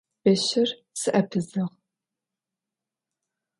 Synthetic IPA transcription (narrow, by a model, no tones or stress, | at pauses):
bɐɕɪr | sɨʔɐpʰɨzɨʁ